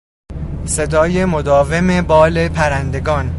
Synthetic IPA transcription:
se̞d̪ɒːje̞mo̞d̪ɒːve̞mebɒːle̞pʰæɾænd̪e̞ɡɒːn

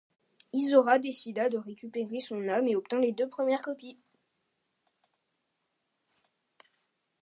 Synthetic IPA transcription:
izɔʁad̪esid̪ad̪əʁekʲypeʁesɔ̃nameɔp̚t̪ɛ̃led̪øpχəmjɛʁkɔpi

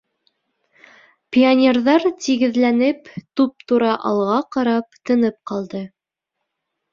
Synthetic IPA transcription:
pʲionʲerðɑɾt̪iɡɘ̆ðlænɘpt̪up̚t̪uɾɑʔɑ̰lˠʁɑqɑɾɑp̚t̪ɤ̆nɤp̚qɑlˠd̪ɤ

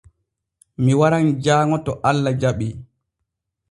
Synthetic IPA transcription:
miwaɾand͡ʒaːŋɔtɔʔalːad͡ʒaɓi

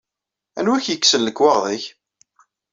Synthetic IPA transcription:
æ̰nwæçjəkːsənləkːwɑʁðˤɪç

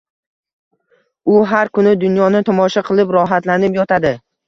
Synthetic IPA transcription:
ʊɦaɾkʰʊnɪd̪ʊnjɒnɪt̪ʰɒmɒʃaqʰɨlˠɪpɾɒɦat̪lanɪpjɒt̪ʰad̪ɪ

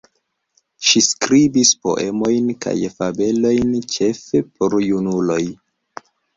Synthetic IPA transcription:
ʃiskɾibispo̞̰ʔe̞mo̞jnka̰jfabe̞lo̞jnt͡ʃe̞fepoɾjunulo̞j

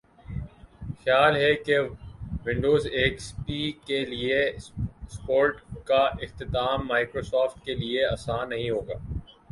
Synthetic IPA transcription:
xjaːlɦɛkeʋɪ̃ɳɖoːzeːkspikelie | spoːɾʈkaɪxt̪ɪt̪aːmːaːɪkɾoːsɔːfʈkelieɐːsaːnːɐɦĩɦoːɡa̰ː

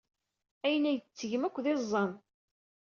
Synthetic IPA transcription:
æjənæjət͡sːəʝəmækʷːðezˤːɑn

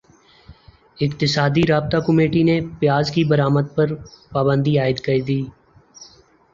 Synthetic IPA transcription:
ɪkt̪ɪsaːd̪iɾaːb̚t̪akʊmeːʈinepɪjaːzkibəɾaːməd̪̚pəɾpaːbə̃nd̪iaːɪd̪kəɾiːd̪iː

